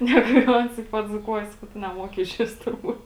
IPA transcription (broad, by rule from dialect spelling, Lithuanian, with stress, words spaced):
ˈnʲæːɡʊ jɛʊ ˈɐns ɪ pɐd͡zuːˈkuɔjɛ ˈsɑːkɐʊ ˈtʊ nʲɛˈmoːkʲɪ ɪʃʲˈʋʲɪs tʊrˈbuːt